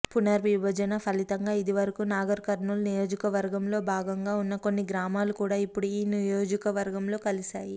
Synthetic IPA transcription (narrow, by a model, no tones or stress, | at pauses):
punɐɾʋibɐd͡ʒɐnɐpʰɐlit̪ɐŋɡaːid̪iʋɐɾɐkunaːɡɐɾkɐɾnulnijo̞ːd͡ʒɐkɐʋɐɾɡɐmlo̞ːbʱaːɡɐŋɡaːunːɐko̞nːiɡɾaːmaːlukuːɽaːipːuɽuiːnijo̞ːd͡ʒɐkɐʋɐɾɡɐmlo̞ːkɐlisaːji